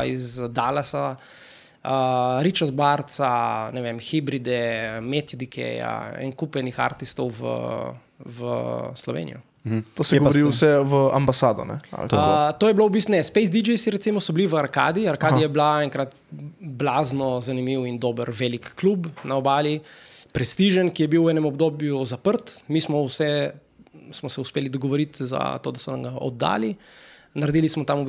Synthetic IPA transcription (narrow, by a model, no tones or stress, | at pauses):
izd̪alasa | əɾit͡ʃaɾd̪̚baɾt̪sanɛʋemxibɾid̪ɛmet̪jɔd̪ikʰɛ̰ja̰ɛ̰ŋkupɛnixa̰ɾt̪ist̪ɔwʋə̰ | ʋə̰slɔʋḛːnijɔ | t̪osɛjɛɡɾisɛʋəambasaːd̪ɔ̰nɛ̰a̰oət̪oːjɛblowbist̪nɛspejzd̪id͡ʒɛjsiɾɛt̪simɔsɔbiliʋəaɾka̰ːd̪iaɾkaːd̪ijɛblaɛ̃ŋkɾat̪ | blaːznɔzanimiwind̪oːbəɾʋelikːlubnaɔbaːlipɾɛst̪iʒənkijɛbiwɛːnɛmɔbd̪oːbjuzapəɾt̪mismɔwsɛ | smɔsɛuspelid̪ɔɡɔʋoɾit̪za̰t̪oːd̪asɔnamɡaʔɔ̰d̪ːa̰ːlinaɾd̪iːlismɔt̪amub